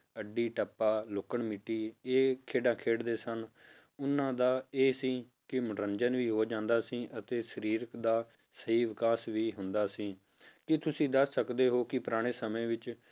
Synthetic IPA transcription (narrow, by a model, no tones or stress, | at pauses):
əɖiːʈəpːaːloːkəɳmɪʈːiːeːkʰeːɖãːkʰeːɽd̪eːsən | ʊnːãːd̪aːeːsĩː | kɪmɾəɲd͡ʒənʋiːɦoːd͡ʒãːnd̪aːsĩːʔət̪eːsəɾiːɾəkd̪aː | səɦiːʋɪkaːsʋiːɦʊnd̪aːsĩː | kɪt̪ʊsĩːd̪əsːəkd̪eːɦoːkɪpɾaːɽ̃eːsəmẽːʋɪt͡ʃ